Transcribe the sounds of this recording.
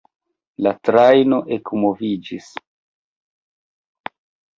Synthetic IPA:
latɾajno̞ʔekmovid͡ʒis

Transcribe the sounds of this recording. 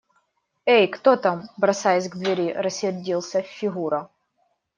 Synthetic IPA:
ejkt̪ot̪ambɾɐsajɛsʲɡd̪vʲɪɾʲiɾɐsʲːɪrʲdʲilˠsʲɐfʲːɪɣuɾɐ

